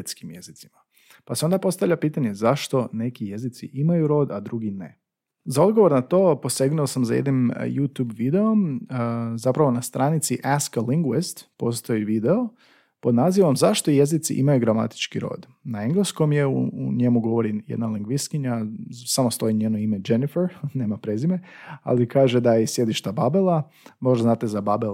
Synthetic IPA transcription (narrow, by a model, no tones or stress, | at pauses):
t̪skimjezit̪sima | paseo̞nd̪apo̞st̪aʋʎʲapiːt̪aɲe̞zaʃt̪o̞ne̞kije̞zit̪siʔimajuɾo̞ːd̪ad̪ɾuɡine̞̰ | zao̞d̪ɡo̞ʋo̞ɾnat̪o̞ːpo̞seɡnuosamzajed̪nim̰jut̪jubʋid̪e̞o̞m | zapɾaʋo̞nast̪ɾanit̪siʔaskaliŋɡwest̪po̞st̪o̞iʋid̪eo | po̞d̪naːziʋomzaʃt̪oije̞zit̪sḭʔḭmajuɡɾama̰t̪i̥t͡ʃkiɾo̞̰ːd̪ | naeŋɡlesko̞mje̞ṵɲe̞muɡo̞ʋo̞ɾijed̪naliŋɡʋiskiɲasamost̪o̞iɲeːnoimed͡ʒe̞nifeɾne̞ːmapɾezimea̰likaːʒed̪ajesje̞d̪iʃt̪ababelˠa | mo̞ʒd̪aznaːt̪ezababel